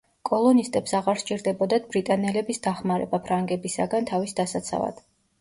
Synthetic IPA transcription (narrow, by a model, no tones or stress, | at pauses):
kʼɔlˠɔnist̪ʼɛpsaʁaɾʃt͡ʃʼiɾd̪ɛbɔd̪at̪̚bɾit̪ʼanɛlɛbisd̪aχmaɾɛ̰bapʰɾaŋɡɛbisa̰ɡant̪ʰavisd̪asat̪sʰa̰va̰d̪̥